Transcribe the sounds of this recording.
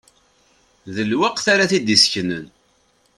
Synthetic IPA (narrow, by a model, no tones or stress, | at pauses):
ðəlwæqθaɾaθid̪isçnən